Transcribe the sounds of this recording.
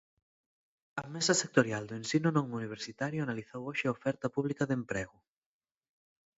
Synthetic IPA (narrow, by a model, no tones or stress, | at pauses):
ɐmɛsɐsek̚t̪oɾjald̪oensinʊnõŋuniβ̞eɾsit̪aɾjʊanaliθowoʃɪaofɛɾt̪ɐpuβlikɐðempɾɛɣʊ